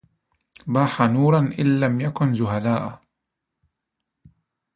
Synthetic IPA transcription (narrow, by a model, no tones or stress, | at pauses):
baːħanuːɾˤɑnʔɪ̰nːamjakʊnzʊɦalaːʔ